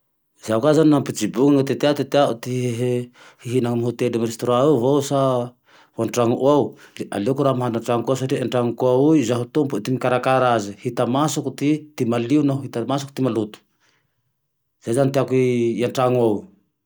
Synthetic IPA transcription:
zaukazanampit͡ʃibuŋaŋat̪et̪eat̪et̪eaʔut̪iɦeɦe | hiɦinaŋmaɦut̪edimɾest̪oɾaavowsa | vanʈ͡ʂaŋuʔuawla̰lokuɾamaɦanaʈ͡ʂaŋkas̬aɾiʔaɳʈ͡ʂaŋukuauizaɦut̪umput̪imikaɾakaɾazihit̪amasukut̪it̪imaliunaɦit̪amasukut̪imalut̪u̥ | z̥azant̪iakijaɳʈ͡ʂaŋuaw

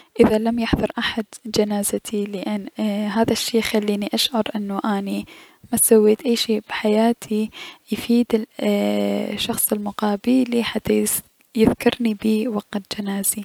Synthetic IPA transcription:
ʔɪðalamjɪħðʊɾˤʔaħad̪d͡ʒanaːzat̪ʰilɪʔanːɦaːðaʃːeːxalːiːniʔaʃʕɑɾˤʔɪnːʊʔani | mat̪sawːiːt̪ʔajːʃeːb̥ħajaːt̪ʰijfiːd̪ɪ | ʃɑxsˤɪlmʊqɑːbɪliħat̪ːaj | jɪðkɑɾˤnibiːwɑqad͡ʒanaːz̥i

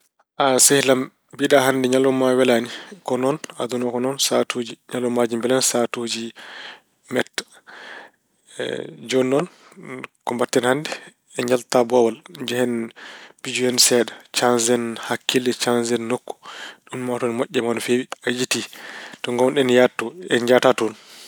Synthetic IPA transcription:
ʔasɛhlam | biɗahandɛɲalːɔmawɛlanikɔnɔna̰d̪unɔkɔnɔnsatoːd͡ʒiɲalːɔmad͡ʒimbɛlansatoːd͡ʒi | mɛtːḁ | d͡ʒɔnːɔn | kɔmbatːɛnhandɛ | ɛɲd͡ʒaltabɔwalɲd͡ʒɛhɛnbid͡ʒuɛnsɛɗat͡ʃansɛnhakːilːɛt͡ʃanzɛnːokːu̥ɗunmatɔnmɔʔʲːɛmanɔfewiajititɔŋɡɔwnɗɛnjatːɔɛɲd͡ʒatatɔn

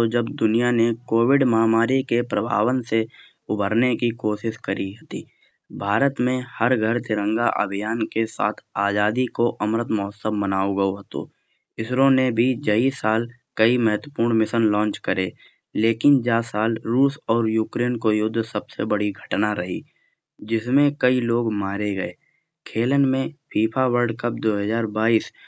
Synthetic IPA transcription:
t̪od͡ʒəbd̪ʊnijanekoːwɪɖmaːmaːɾikepɾəbʱa̰ːwənse | ʊbʱəɾnekikoːʃɪʃkəɾiɦət̪ḭː | bʱaːɾət̪mẽhəɾɡʱəɾt̪ɪɾə̃ŋɡa̰ʔə̰bʱijaːnkesa̰ːt̪ʰaːd͡ʒaːd̪ikoʔɐmɾət̪mɔːsəmmənaːoɡəoɦət̪o̰ː | ɪsɾõnebʱid͡ʒɐisaːlkɐimɛɦət̪wəpuːɾɳ̃mɪsənlɔ̃ːnt͡ʃkəɾeː | leːkɪnd͡ʒaːsaːlɾuːsɔːɾjuːkɾeːnkojʊd̪ʱːsəbsebəɽiɡʱəʈnaɾɐɦḭː | d͡ʒɪsmẽkɐiloːɡmaːɾeɡəeː | kʰeːlənmẽpʰiːpʰawəɾɖkəp̚d̪oːɦəzaːɾbaːiːs

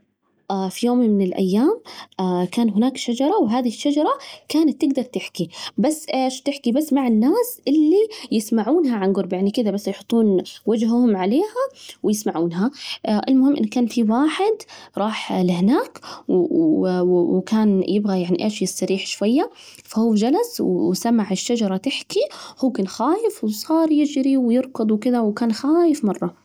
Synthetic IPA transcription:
ʔafijoːmmɪnɪlʔa̰jːaːmkaːnɦʊnaːkʃad͡ʒɑɾˤɑwɦaːðiɪʃːad͡ʒɑɾˤɑkaːnat̪ːɪɡd̪ɑɾˤt̪ɪħkibasːʔeːʃt̪ɪħkibasːmaʕɪnːaːsʔɪlːijɪsmaʕuːnɦaʕanɡʊɾˤbjaʕnikɪðabasːjħʊt̪ˤːuːnwad͡ʒɦhʊmʕaleːhawɪjɪsmaʕuːnɦaʔɪlmʊhɪmːʔɪ̰nːkaːnfiwaːħɪd̪ɾˤɑːħlɪhnaːkw | wkaːnjɪbɣajaʕniʔeːʃjɪsːɑɾiːħʃwajːa | fahuːd͡ʒalaswwsamaʕɪʃːad͡ʒɑɾˤɑt̪ɪħkihuːkaːnxaːjɪfwsˤɑːɾˤjɪd͡ʒɾiwjɨɾkʊd̪ˤwkɪd̪awkaːnxaːjɪfmɑrˤːɑ

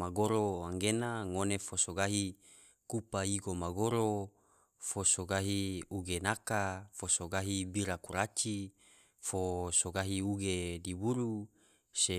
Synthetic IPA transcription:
maɡoɾoaŋɡenaŋonefosoɡaɦi | kupaiɡomaɡoɾo | fosoɡaɦiuɡenakafosoɡaɦibiɾakuɾat͡ʃi | fosoɡaɦiuɡedibuɾu | se

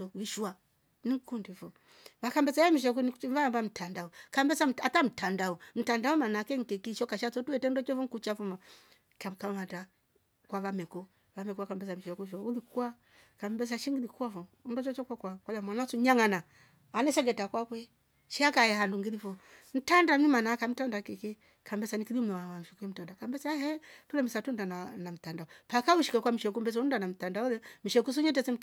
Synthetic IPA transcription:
ɔviʃua | niŋkundifɔ | vakambɛt͡saamiʃ̬ɔk̬univambam̩tʰandaɔkambɛt͡sam̩atam̩tandaɔm̩tandaɔmanakɛŋ̩tɛkiʃɔkaʃat͡sɔtuɛtɛndɔt͡ʃɔfɔŋ̩kut͡ʃafuma | kam̩kamata | kwaβamɛkɔ | vamɛkɔakambɛsamiʃɔkuʃɔulikua | kambɛs̬aʃiŋɡilikafɔ | undɔt͡ʃɔt͡ʃɔkakwakwalamwanasuɲaŋana | anɛʃaɡɛtakwakwɛ | ʃiakajɛhanduŋɡilifɔ | n̩tandamimanakam̩tandakiki | kambɛsanikilim̩nɔwawaʃukuɛm̩tandakambɛsahɛtulɛmisatundananam̩tandaɔpakauʃi̥kakwam̩iʃɛk̬umbɛs̬ɔundanam̩tandaɔlɛmiʃɛkus̬uɲɛt̬ɛsim̩

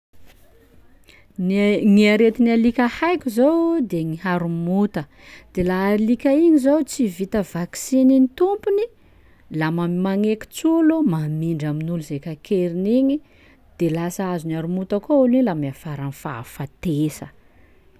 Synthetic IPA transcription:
ŋiaɾet̪inialikʲahajkʲuzowd̪eŋiɦaɾumut̪ə | d̪̥elaːilikʲaiɲizowt͡sivit̪əvaksininit̪umpuni | lamamimaŋeki̥t͡sulumamiɳɖ͡ʐaminuluzekakʰeɾiniɲi | d̪̥elasaazunaɾumut̪akouliɲilamiafaɾanfa̰fat̪esə

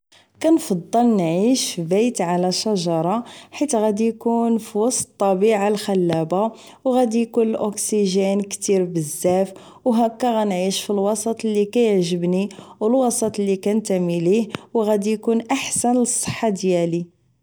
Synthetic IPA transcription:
kænfɑd̪ˤːəlnʕiʃfibæjt̪ʕalæʃɑʒɑɾˤɑħit̪ɣæd̪ijkunfiwɑsˤtt̪ˤːɑbiʕalxælːæba | wɣæd̪ijkunəlʔoksiʒænkt̪iɾbəzːæf | wɦækːæɣænʕiʃfilwɑsˤɑt̪ˤlikæjəʕʒəbniwəlwɑsˤɑt̪ˤlːikænt̪æmilihwɣæd̪ijkunʔaħsænləsˤːə̥ħːɑd̪jæli

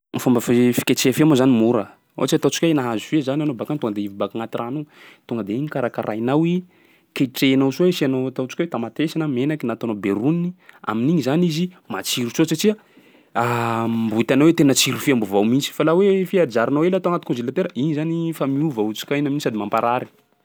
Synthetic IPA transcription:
fambəfifi̥kʲat͡ʃeafiamozanimuɾə | o̰at͡ʃiat̪awt͡ʃi̥kʲajnaɦazufezananobakant̪uŋɡəd̪eivibakaŋat̪iranot̪uŋɡəd̪eiɲikaɾakaɾʔa̰jnawi | keʈ͡ʂenasuwesianot̪awt͡ʃi̥kʲwet̪amat̪esanəmenakinat̪anobeɾuninia̰miniɲizanizi | mat͡siɾut͡ʃosaʈ͡ʂia | ambut̪anowet̪enət͡siɾufiambuvawmint͡si̥falawefiad͡ʒaɾinawelat̪oaŋat̪i̥kɔ̃nzelat̪eɾəiɲizanifamiuvaut͡ʃi̥kʲanaminisad̪imampaɾaɾi

